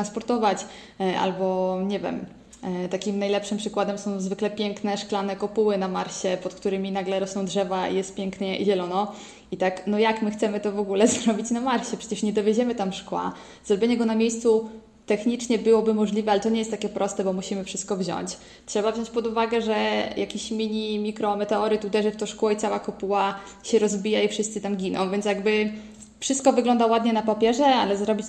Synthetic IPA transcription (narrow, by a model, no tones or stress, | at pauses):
t̪ɾanspɔɾt̪ɔvat͡ɕ | ʔa̰lbɔɲɛvʲjɛ̰m | t̪akʲimnajlɛpʂɘmpʂɘkwad̪ɛmsɔ̃w̃zvɘklɛpʲjɛŋknɛʂklanɛkɔpuwɘnamaɾɕɛpɔt̪kt̪uɾɘmʲinaɡlɛɾɔsnɔ̃w̃dʐɛvaḭjɛst̪̚pʲjɛŋknɛiʑɛlɔnɔ | it̪aknɔjakmɘxt̪sɛmɘt̪ɔvɔɡulɛzɾɔbʲit͡ɕnamaɾɕɛpʂɛt͡ɕɛʂɲɛd̪ɔvʲjed͡ʑɛmɘt̪amʂkwa̰ | zɾɔbʲjeɲɛɡɔnamʲjejst̪su | t̪ɛxɲit͡ʂɲɛbɘwɔbɘmɔʐlʲivɛalɛt̪ɔɲɛjɛst̪ːakʲɛpɾɔst̪ɛbɔmuɕimɘfʂɘst̪̚kɔvʑɔ̰ɲt͡ɕ | tʂɛbavʑɔ̃ɲt͡ɕpɔd̪uvaɡɛʐɛjakʲiɕmʲiɲimʲikɾɔmɛt̪ɛɔɾɘt̪ud̪ɛʐɘft̪ɔ̃ʂkuwɛit̪sawakɔpuwa | ɕɛɾɔzbʲijaifʂɘst̪sɘt̪amɡʲinɔ̰̃w̃vʲjɛntsjaɡbɘ | fʂɨst̪̚kɔvɘɡlɔnd̪awad̪ɲɛnapapʲjɛʐɛa̰lɛzɾɔbʲit͡ɕ